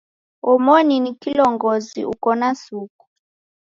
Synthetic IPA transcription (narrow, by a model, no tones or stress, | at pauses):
ɔmɔninikilɔŋɡɔzḭṵkɔnasuku̥